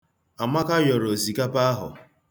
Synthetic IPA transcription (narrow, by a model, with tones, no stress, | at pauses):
a˨ma˦ka˦jɔ˨ɾo˨zi˨ka˦pa˦a˦ɦʊ̰˨